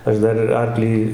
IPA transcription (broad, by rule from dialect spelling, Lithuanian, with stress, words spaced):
ˈɐʃ ˈdɐr ɪr ˈɐrklʲiː